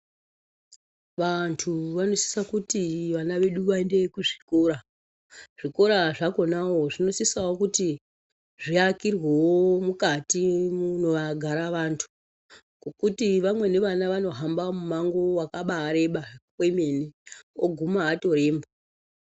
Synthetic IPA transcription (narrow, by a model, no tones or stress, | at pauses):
ʋantʰuʋano̞si̥sakutiʋanaʋe̞ɗuʋaende̞kuʐikoːɾa | ʐ̥iko̞ɾaʐako̞nawo̞ʐino̞sisawokuti | ʐiakirwewomukatimuno̞ʋaɡʱaɾaʋantʰu̥ | kokutiʋamwe̞ne̞ʋanaʋano̞ɦambamumaŋɡo̞wakaɓaːɾe̞ɓakweme̞neoɡʱumaːto̞ɾe̞ːmbo